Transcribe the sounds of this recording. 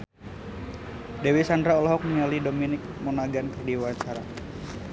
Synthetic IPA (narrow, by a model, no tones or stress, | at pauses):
dewisandɾaɔlɔɦɔk̚niŋalidominɪk̚monaɡankɨrdiwat͡ʃaɾa